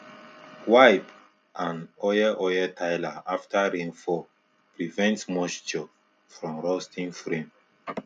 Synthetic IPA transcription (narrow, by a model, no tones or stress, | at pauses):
wajp | ʔãnɔjɛʔɔjɛtʰajlaaftaɹẽnfɔ | pɹivɛ̃ntmɔʃd͡ʒɔ | fɹɔ̃mɹɔstĩŋfɹẽn